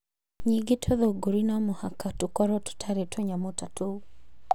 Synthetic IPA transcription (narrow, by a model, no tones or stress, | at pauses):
ɲiɡetʰoðoɡoɾinamohakatukɔɾɔtu̥tʰaɾetweɲamotato